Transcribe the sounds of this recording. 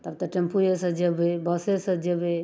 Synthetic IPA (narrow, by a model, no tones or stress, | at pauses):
t̪əb̚t̪əʈempʰuesə̃d͡ʒebebəsesəd͡ʒebe